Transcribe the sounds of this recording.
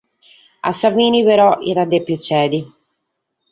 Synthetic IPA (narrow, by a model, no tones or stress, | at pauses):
a̰sːaviːnipeɾɔḭrad̪ːepːjut͡ʃːɛːd̪i